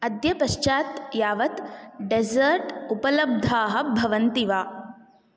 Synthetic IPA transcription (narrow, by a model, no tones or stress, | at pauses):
ɐd̪jɐpɐʃt͡ʃaːt̪jaːʋɐt̪ɖezɐɾʈupɐlɐb̚d̪ʱaːɦɐ̆bʱɐʋɐnt̪iʋaː